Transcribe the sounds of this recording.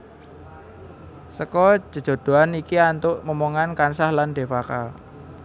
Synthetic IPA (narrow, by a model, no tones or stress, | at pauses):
səkɔ̥d͡ʒ̥ə̤̥d͡ʒ̥o̤d̪̥o̤anikiant̪ʊʔməmoŋankansahlanɖ̥e̤faka̰